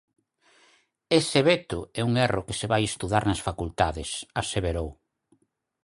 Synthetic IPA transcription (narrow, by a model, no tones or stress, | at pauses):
eseβet̪ʊɛuŋɛrʔokeseβajest̪uðaɾnɐsfakult̪aðɪsaseβeɾow